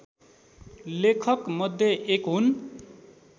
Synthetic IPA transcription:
lekʰʌkmʌd̪ʱjʌʔekɦun

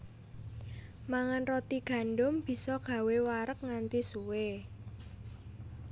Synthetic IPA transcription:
maŋanrot̪iɡ̥a̤nɖʊmb̥i̤sɔɡ̥ä̤wewaɾək̚ŋant̪isuwe

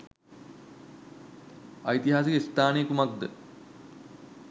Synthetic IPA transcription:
ajit̪iɦaːs̬ikəist̪aːnejkumak̚d̪ə

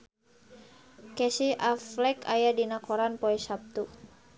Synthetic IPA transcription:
kɛsiʔaflɛkajadinakɔɾanpɔɛsap̚t̪u

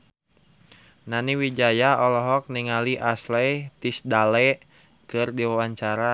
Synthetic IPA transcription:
naniwid͡ʒajaɔlɔɦɔk̚niŋaliʔaslɛjt̪isdalɛ | kɨrdiwawaɲt͡ʃaɾa

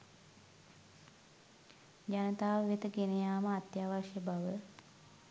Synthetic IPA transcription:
d͡ʒanət̪aːʋʋet̪əɡenejaːməat̪jaːʋaʃjəbaʋə

